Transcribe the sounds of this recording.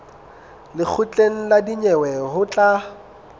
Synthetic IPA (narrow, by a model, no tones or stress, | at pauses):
lɪk͡xʰʊt͡ɬʼeŋ̩ladiɲɛwɛhʊt͡ɬʼa